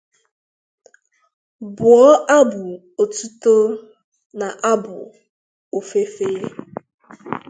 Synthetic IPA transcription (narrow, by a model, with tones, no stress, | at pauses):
bʊ˨ɔ˦ʔa˦bʊ˨ | o˨tu˦to˦ | na˨ʔa˦bʊ̰˨ | o˨fe˦fe˦e˦